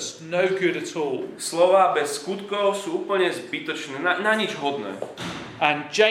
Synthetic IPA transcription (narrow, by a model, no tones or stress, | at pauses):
snəʊɡʊɾətʰɔːlˠslɔʋaːbɛsːkut̪kɔʊsuːuːpl̩ɲɛzbit̪ɔt͡ʃnɛːnanaɲid͡ʒɦɔd̪nɛ̰ː | ə̃nd͡ʒẽ